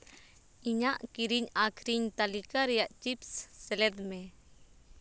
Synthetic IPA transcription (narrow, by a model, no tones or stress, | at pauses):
iɲaʔkiɾiɲakʰɾiɲt̪alikaɾɛjaʔt͡ʃipsːɛlɛd̪mɛ